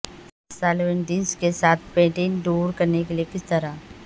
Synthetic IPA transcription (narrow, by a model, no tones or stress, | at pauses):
saːlʋẽɳɖĩnskesaːt̪ʰpẽːʈĩːnɖuːɾkɐɾnekelijekɪst̪ɐɾa